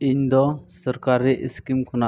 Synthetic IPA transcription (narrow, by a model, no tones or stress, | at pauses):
iɲd̪ɔsɔɾkaɾɛʔiskimkʰɔna